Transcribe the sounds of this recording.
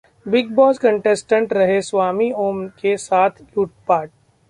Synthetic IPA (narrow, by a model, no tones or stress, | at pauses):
bɪɡbɔːzkə̃ɳʈesʈə̃ɳʈɾɐɦesʋaːmioːmkesaːt̪ʰluːʈ̚paːɾʈ̚